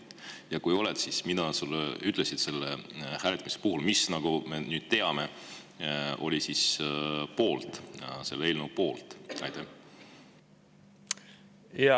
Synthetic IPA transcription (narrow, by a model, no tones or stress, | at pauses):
jɑkujo̞led̪̥sismid̪̥ɑsulːeyt̪ˑle̞sid̪se̞lːehæːlet̪ːˑɑmisepuhulmisnɑɡ̥ume̞nyːd̪̥t̪e̞ɑme̞ | o̞̰lʲisispo̞ːlt̪se̞lːeelnupo̞ːlt̪ˑɑ̰jt̪e | jɑ